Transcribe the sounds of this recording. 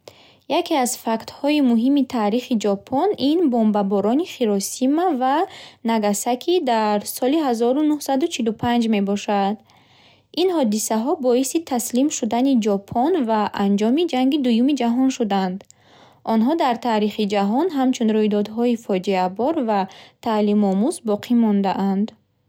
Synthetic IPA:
jakʰiazfakt̪hɔimuɦimit̪ʰaːɾiχid͡ʒɔpʰɔninbɔmbabɔɾɔniχiɾɔsimavanaɡasakʰid̪aɾsɔliɦazɔɾunuhsad̪ut͡ʃʰilupʰand͡ʒme̞bɔʃad̪ | inhɔd̪isaɦɔbɔisit̪ʰaslimʃud̪anid͡ʒɔpʰɔnvaʔand͡ʒɔmid͡ʒaŋɡid̪ujumid͡ʒaɦɔnʃud̪and̪ | ʔɔnɦɔd̪aɾt̪ʰaɾiχid͡ʒaɦɔnɦamt͡ʃʰunɾujd̪ɔd̪ɦɔifɔd͡ʒiabɔɾvat̪ʰalimɔmuzbɔqʰimɔnd̪aʔand̪

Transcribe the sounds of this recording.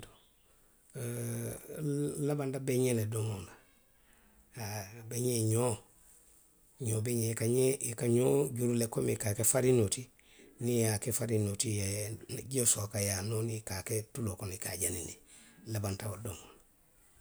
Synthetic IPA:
to̥ | labantabeɲenedoŋona | beɲeɲo | ɲoːbeɲekaɲekaɲoɟuɾulekomekaːkefaɾinoti | niakefaɾinotijeɟiosokajanonikaketulokonikaɟaninilabantaodoŋona

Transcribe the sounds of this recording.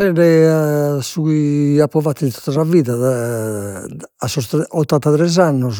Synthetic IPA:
ɛɾɛasuɣiapːɾɔvat̪ːind̪t̪o̥t̪ːasaviːðaa | asɔɔt̪ːant̪at̪ɾɛzanːɔs

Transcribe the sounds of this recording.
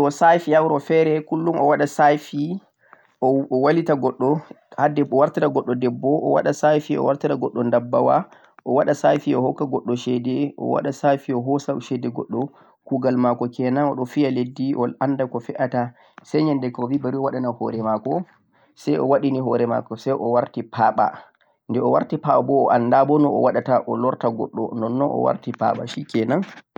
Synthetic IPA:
ɔsajfiawɾɔfɛɾɛkulːumɔwaɗasajfi | ʔɔɔwalitaɡɔɗːɔ | hadɛbɔwaɾtitaɡɔɗːɔdɛbːɔʔɔ̰wa̰ɗasajfiɔ̰waɾtiɾaɡɔɗːɔndabːawa̰ | ʔɔwaɗasajfiɔhɔkːaɡɔɗːɔʃɛdɛʔɔ̰wa̰ɗasajfiɔɦɔsaʃɛdɛɡɔ̰ɗːɔ | kuɡalmakɔkɛnanɔ̰ɗɔfijaledːiʔɔlandakɔfɛʔata | sɛɲɛndɛkɔvibaɾiɔwaɗanahɔ̰ɾɛmakɔ | sɛjɔ̰waɗiniɦɔɾɛma̰kɔsɛjʔɔwaɾtipʰaːɓa̰ | ndɛɔwa̰ɾtipaɓabɔːʔandabɔnɔɔ̰waɗataʔɔlɔɾtaɡɔ̰ɗːɔ̰nɔnːɔnɔ̰wa̰ɾtipa̰ɓa̰ʃikɛnan

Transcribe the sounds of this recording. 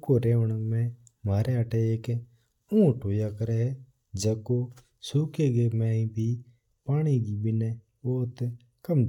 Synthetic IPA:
koːɾeːəɳəmɛ̃ | maːɾeəʈeeːk | ũːʈoːjakəɾeɦɛ | d͡ʒəko | suːkeːɡeːmɛ̃ːĩbʱiː | paːɽ̃iɡiːbɪne | oːt̪ | kəm

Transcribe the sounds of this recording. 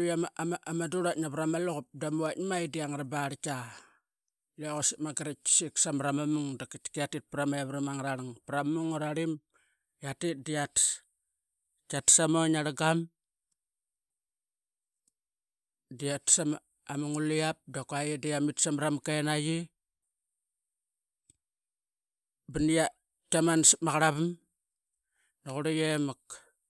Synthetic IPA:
ujamamaamaduɾatnapɾamaloɣup̚damuatmajidiaŋaɾabaɾka | laɣosimaɡaɾaksiksamɾamamuŋdakatkiatit̚pɾamaaβɾimaŋɾaɾaŋpɾammuŋuɾaɾim | jatit̚dijat | katsamonaɾaɡam | diatsam | amuŋulijap̚dakajidijamitsamɾamkaenaji | binija | tamansmaɣaɾaβam | naɣuɾajemak

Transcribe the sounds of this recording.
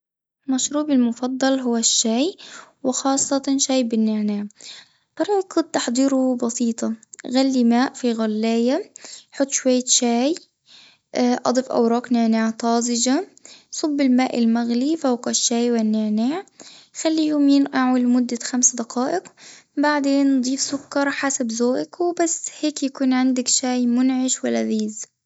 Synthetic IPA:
maʃɾuːbɪlmʊfɑd̪ˤːɑlɦʊwːaʃːaːjwɪxɑːsˤːɑt̪ɑʃaːjbɪnːaʕnaːʕ | t̪ˤɑɾˤʕikʰʊd̪̚t̪aħd̪ˤiːɾʊbɑsiːt̪ˤɑɣalːimaːʔfiɣalːeːjaħʊt̪ˤːʃwajːaʃaːj | ʔɑ̰d̪ˤɨfʔa̰wɾˤɑːknaʕnaːʕt̪ˤɑːzɪd͡ʒasˤʊbːɪlmaːʔɪlmaɣlifawqaʃːaːjwɪnːaʕnaʕxalːijoːmiːnʔaʕʊlmʊd̪ːaxamsd̪aqɑːʔɪqbaʕd̪eːnːd̪ˤiːfsʊkːɑɾˤħasabzoːʔakwbasːheːkjakuːnʕɪnd̪akʃaːjmʊnʕɪʃwalːaðiːz

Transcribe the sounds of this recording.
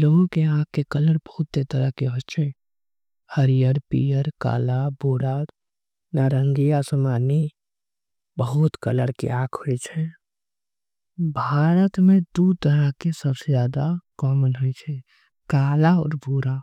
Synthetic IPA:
loːɡõkeãːkkːekələɾbəɦʊt̪ːet̪əɾəɦkeɦod͡ʒt͡ʃʰɛ | həɾijəɾpḭːjəɾka̰ːlabuːɾaːt̪ | naɾə̃ŋɡijasəmaːni | bəɦʊt̪kələɾkḛãːkʰhoit͡ʃʰɛ | bʱaːɾət̪mẽd̪ud̪̚t̪əɾəɦkesəbsezjaːd̪akɔːmənɦʊit͡ʃʰɛ | kaːlaɔ̰ːɾbuɾa

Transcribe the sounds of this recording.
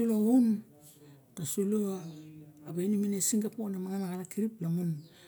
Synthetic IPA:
uloun | tasulo | aβenuminesiŋɡaponamaŋanaɡalakiɾiplaŋun

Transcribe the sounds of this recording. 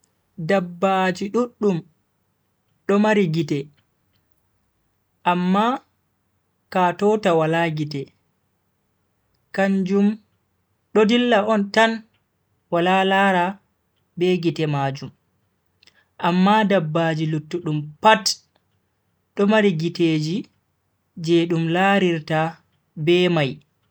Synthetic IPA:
dabːad͡ʒiɗuɗːum | ɗɔmaɾiɡitɛ | ʔamːa | katɔtawalaɡitɛ | kaɲd͡ʒum | ɗodilːaʔɔntan | walalaːɾa | bɛɡitɛmaːd͡ʒum | ʔamːadabːaːd͡ʒilutːuɗumpat | ɗɔmaɾiɡiteːd͡ʒi | d͡ʒɛɗumlaɾiɾta | bɛːmaj

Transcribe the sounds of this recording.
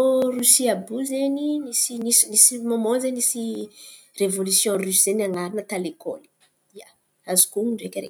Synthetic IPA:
orusiabuzeninisinisinisimomõnzenisi | revolysjɔ̃rysz̥enaŋaɾinət̪aleko̰li̥ | ia | azi̥kuŋiɳɖ͡ʐekʲəɾḛk

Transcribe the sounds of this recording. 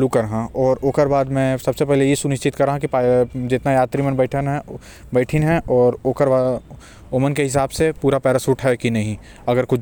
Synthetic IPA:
lukɐɾɦãɔːɾoːkəɾbaːd̪mɛ̃sɐbsepɛɦlejesʊnɪʃt͡ʃɪt̪kɐɾːaɦãkipad͡ʒɪt̪najaːt̪ɾimə̃nbɛːɪʈʰənɦɛ | bɛːʈʰɪnɦɛ̃ʔɔːɾoːkəɾbaːd | oːmənkeɦɪs̬aːbsepuːɾapɛːɾasuːʈʰɦɛkinɐɦĩ | ɐɡəɾkʊt͡ʃ

